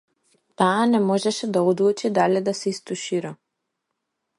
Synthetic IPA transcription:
t̪aːnɛmɔʒɛʃɛd̪aɔd̪lut͡ʃid̪alɛd̪asɛist̪uʃiɾɔ

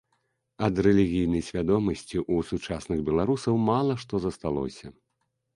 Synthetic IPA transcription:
ɐd̪rɛlʲiɣʲijnɐjsʲvʲad̪ɔmɐsʲt͡sʲiʔusut͡ʂasnɨɣbʲɛlˠaɾusɐwmalˠɐʂt̪ɔzɐst̪alˠɔ̰sʲɐ

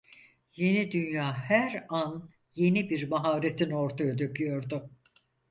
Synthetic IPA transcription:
je̞nid̪ynjaːhæɾan | je̞nibiɾmaɦaːɾet̪ʰino̞ɾt̪ʰajad̪økʰyjo̞ɾd̪ʊ

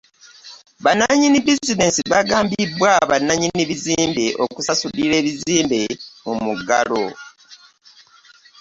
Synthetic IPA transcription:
βanaɲinibizine̞ːnsiβaɡaːmbibwaβanːaɲiniβiziːmbe̞ʔo̞̰kusasuliɾe̞ːβiziːmbe̞mumuɡa̰lo̰

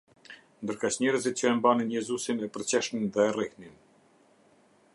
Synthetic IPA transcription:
nd̪əɾkat͡ɕɲɛɾəzit̪̚t͡ɕəɛmbaninjɛzusinɛpəɾt͡ɕɛʃminðɛrihnin

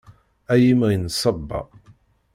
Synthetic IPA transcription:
æjimʁinsˤɑbːɑ̰

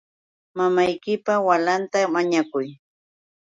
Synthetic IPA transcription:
mamajkɪpawalant̪amaɲakʊj

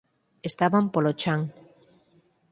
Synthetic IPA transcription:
est̪aβampolot͡ʃaŋ

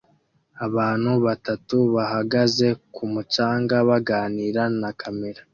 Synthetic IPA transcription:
aβaːn̥huβatatuβaɦaɡaze̞kumut͡ʃaːŋɡaβaɡaːniːɾanakʰame̞ɾa

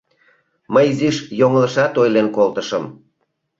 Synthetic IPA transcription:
məjziʃjoŋələʃɑt̪ojlenkolt̪əʃəm

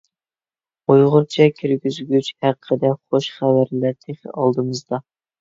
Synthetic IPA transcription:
ojʁʊɾt͡ʃʰɛkʲʰiɾɡʲyzɡʲyt͡ʃhæqʰːəd̪ɛχoʃχævæɾlæɾt̪ʰeχɪ̰ɑlˠd̪ɨmɨzd̪ɑ

